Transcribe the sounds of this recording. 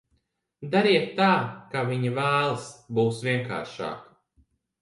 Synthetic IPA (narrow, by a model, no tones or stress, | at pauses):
d̪aɾiɛt̪ːaːkaviɲivæːlˠsbuːsvʲiɛŋka̰ːɾʃa̰ːk